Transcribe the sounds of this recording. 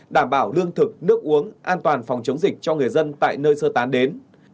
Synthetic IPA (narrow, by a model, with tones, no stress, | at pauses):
ɗaː˧˩mɓaː˧˩wlɨ˧əŋt̪ʰɨ˨˩k̚nɨ˦˥ək̚ʔu˨˦əŋʔaː˧nt̪waː˨˩nfwŋ͡mt͡ɕə˨˦wŋ͡mzï˨˩k̟̚t͡ɕɔ˧ŋɨ˨˩əjzə˧nt̪a̰ː˧˨jnəː˧jsəː˧t̪aː˨˦nɗe˨˦n